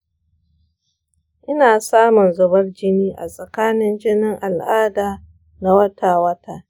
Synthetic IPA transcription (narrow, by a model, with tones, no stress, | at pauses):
ʔɪ˦naː˨saː˦mʊ˨nzʊ˨bɐ˦rd͡ʒɪ˦niː˦ʔa̰˨sʼɐ˨kaː˦nɪ˦nd͡ʒɪ˦nɪ˦ŋʔa˨lʔaː˦daː˨ | na˦wɐ˦taː˨wɐ˦taː˨